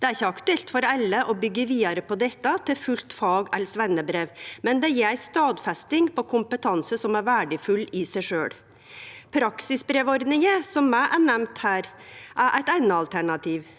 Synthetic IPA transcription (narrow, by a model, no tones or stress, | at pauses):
d̪̥ɛæɾɪçːəɑkt̪ʉɛlt̪fɔɾɛlːəʔɔbʏɡːəʋiːɑɾəpɔd̪ɛt̪ːɑt̪ʰɪlfʉlt̪fɑːɡɛlsʋɛnːəbɾeːʋmɛnd̪ɛjɛɾst̪ɑːd̪fɛst̪ɪŋpʰɔkʰʊmpət̪ʰɑnsəsɔmæɾʋæːɖəfʉlɪsæɪʂøːɽ | pʰɾɑksɪsbɾeːʋɔɾd̪nɪŋəsɔmːæɪʔæɳæmt̪hæːɾʔæʔæɪt̪ænɑɑlt̪ʰæɳɑt̪ʰiːʋ